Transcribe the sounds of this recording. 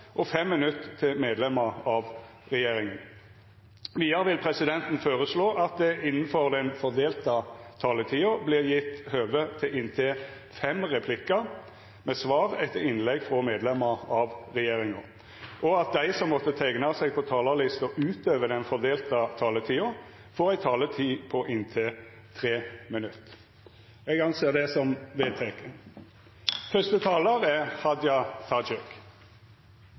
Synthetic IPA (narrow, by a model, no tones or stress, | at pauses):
ʔɔfɛmːɪnʉt̪ːt̪ʰːɪlmeːd̪lɛməɑʋ | ʁɛjeːɾɪŋən | ʋiːɑʁʋɪlpʰɾɛsɪd̪ɛnt̪n̩føːʁəsloːʔɑt̪̚d̪ɛɪnːən̩fɔʁd̪ɛnfɔʁd̪eːlt̪ɑt̪ʰɑːlət̪ʰiːʊblɪːʁjɪt̪ːhøːʋət̪ʰɪlɪnt̪ʰɪː | fɛmʁɛpʰlɪkə | mɛsʋɑːʁɛt̪ʰːəɪnlɛɡfʁɔmeːd̪lɛmːəʁɑʋʁɛjeːɾɪŋɑ | ʔɔɑt̪̚d̪æɪsɔmːɔt̪ːət̪ʰæɪɡnɑsɛɡ̚pʰɔt̪ʰɑːləlɪst̪ɔʔʉːt̪øːʋəd̪ɛnfɔd̪eːlt̪ət̪ʰɑːlət̪ʰiːʊ | foːʁæɪt̪ʰɑːlət̪ʰiːpʰɔʔɪnt̪ʰɪ | t̪ʰʁeːmɪnʉt̪ː | ɛɡɑnseːd̪ɛsɔmʋeːd̪̚t̪ʰɛkən | fœst̪ət̪ʰɑːləɾɛhɑd̪jɑt̪ʰɑd͡ʒɛk